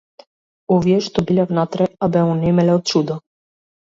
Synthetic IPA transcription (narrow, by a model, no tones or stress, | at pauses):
ɔvjɛʃt̪ɔbilʲɛvnat̪ɾajabɛmunɛmɛlɛɔt̪̚t͡ʃud̪a